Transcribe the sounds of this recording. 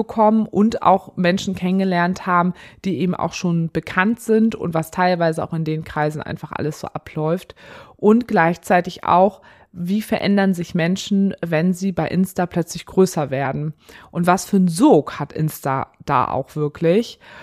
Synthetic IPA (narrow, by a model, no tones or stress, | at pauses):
bəkʰɔmənʔʊnta̰ʊxmɛnʃn̩kʰɛnənɡəlɛɐnthaːbm̩d̥iːʔeːbm̩ʔa̰ʊxʃoːnb̥əkʰantz̥ɪntʊ̰ntv̥astʰaɪlvaɪzəa̰ʊxɪndeːnkʁ̥aɪzn̩ʔa̰ɪnfaχʔa̰ləsz̥o̰ːʔa̰pʰlɔʏftʔʊntɡ̥laɪçt͡saɪtɪça̰ʊx | viːfɛɐʔɛndɐnzɪçmɛnʃn̩vɛnziːbaɪʔɪnstaːpʰl̥œt͡slɪçɡ̥ʁøːsɐveːɐdn̩ʔʊntv̥asfyːɐn̩zoːkhatʔɪ̰nsta̰d̥a̰ːʔa̰ʊxv̥ɪɐkʰlɪç